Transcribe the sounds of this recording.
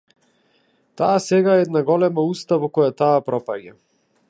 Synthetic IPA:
t̪aːsɛɡaɛɛd̪naɡɔlɛmaust̪avɔkɔjat̪aːpɾɔpaɟa

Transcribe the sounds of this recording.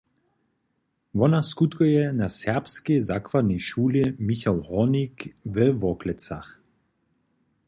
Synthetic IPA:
ʋɔnaskut̪kɔjɛnasɛʁpskezakvaniʃuːlimiçawʁɔnikvəvɔklɛt͡sa̰x

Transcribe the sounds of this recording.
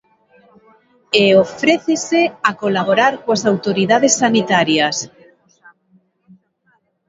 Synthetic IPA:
eofɾeθeseakolaβ̞oɾaɾkoasawt̪oɾiðaðesːanit̪aɾjas

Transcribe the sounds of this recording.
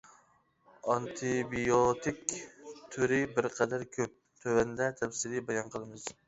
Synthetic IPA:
ɑnt̪ʰɪbijot̪ʰɪkʲt̪ʰøɾɪbɪɾqʰɑd̪æɾkʲʰøp̚ | t̪ʰøvænd̪ɛt̪ʰɛfsɪlɪbɑjɑnqʰəlˠɨmɨz̥

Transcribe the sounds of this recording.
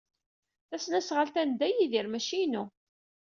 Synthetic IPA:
θæsnæsʁəlt̪ænd̪æjiðiɾmæʃinu

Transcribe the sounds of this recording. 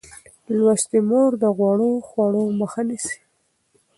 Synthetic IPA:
lwast̪imoɾd̪əɣwɑɽoxwɑɽoməxanisi̥

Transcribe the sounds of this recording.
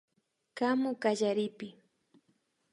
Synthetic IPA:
kamʊkaʎaɾɪpɪ

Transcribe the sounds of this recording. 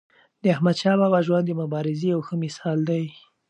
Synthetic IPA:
d̪əahmad̪ʃɑbawaʒwand̪əmʊbɑɾɪzejawxəmɪsɑld̪aj

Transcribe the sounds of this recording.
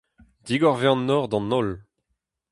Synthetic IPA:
d̪iɡɔʁveɑ̃nːɔːʁd̪ɑ̃nɔl

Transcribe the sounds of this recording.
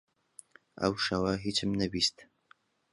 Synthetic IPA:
a̰wʂɐwaɦit͡ʃʰɨmnɐbistʰ

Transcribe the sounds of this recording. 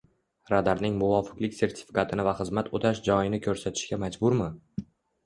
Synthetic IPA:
ɾad̪aɾnɪŋmʊvɒfɪ̥klɪkʲse̞ɾt̪ʰɪ̥fi̥kʰat̪ʰɪnɪvaχɨzmat̪ʰot̪ʰaʃd͡ʒɒjɪnɪkʲʰɵɾsat̪ʰɪ̥ʃkʲamad͡ʒbʊɾmɪ

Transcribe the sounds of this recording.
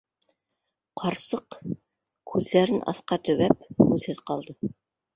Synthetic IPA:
qʰɑɾsɤq | kʰʉðːæɾɘnʔɑ̰θqɑt̪ɵ̆βæp̚hʉðhɘðqɑlˠd̪ɤ

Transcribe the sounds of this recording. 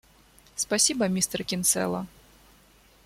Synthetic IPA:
spasʲibɐmʲist̪ɛrkʲint̪sɛ̰lˠɐ̰

